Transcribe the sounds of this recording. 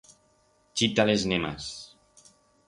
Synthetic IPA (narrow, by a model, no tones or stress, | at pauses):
t͡ʃit̪aleznema̰s